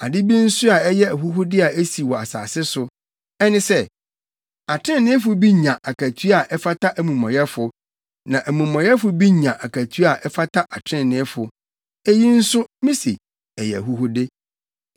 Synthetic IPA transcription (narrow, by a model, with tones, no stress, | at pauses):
a˨dɪ˦bi˦n̩˦sʊ˦a˨ɛ˦jɛ˦æ˨ɦu˦ɦʊ˦dɪ˦a˨ʔe˦si˨wɔ˨a˨sa̰ː˨sɪ˦sʊ˨ | ɛ˦nɪ̃˦sɛ˦ | a˨tʰɾɪ̃˦˨nːɪ̃˦fʊ˦bi˦ɲã˨ʔa˨kʰæ˨tʰɥa˨ʔɛ˦fa˦tʰa˦ʔæ˨mũ˨mɔ̃˨jɛ˦fʊ˨ | nã˨ʔæ˨mũ˨mɔ̃˨jɛ˦fʊ˨˦bi˦ɲã˨ʔa˨kʰæ˨tʰɥa˨ʔɛ˦fa˦tʰa˦ʔa˨tʰɪ̃˦˨nɪ̃˦fʊ˨ | ɛ˦ji˦n̩˦sʊ˦mĩ˦sḭ˨ | ɛ˨jɛ˨æ̰˨ɦu˦hʊ˦dɪ˦